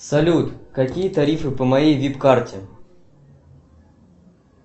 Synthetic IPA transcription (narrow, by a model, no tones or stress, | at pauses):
sɐlʲut̪kɐkʲijət̪ɐɾʲifɨpəmɐjejvʲipkartʲɪ